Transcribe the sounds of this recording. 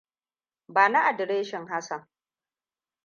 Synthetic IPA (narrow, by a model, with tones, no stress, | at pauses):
baː˨na˦ʔa˨dɪ˨ɾeː˦ʃɪ˨ŋɦa˦sɐ˨ŋ